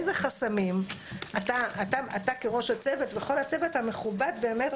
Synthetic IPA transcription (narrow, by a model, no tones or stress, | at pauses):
zeχasamim | at̪aataat̪akeʁo̞ʃhat͡se̞ve̞tveχo̞lhat͡se̞vet̪ame̞χubad̪be̞ːmet